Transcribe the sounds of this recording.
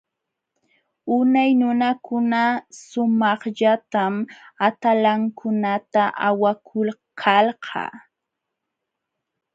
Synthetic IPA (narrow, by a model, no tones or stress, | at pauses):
ʊnajnʊnakʊnasʊmɑχʎat̪amat̪alaŋkʰʊnat̪aʔawakʰʊlkʰɑlɢʰɑ̰ː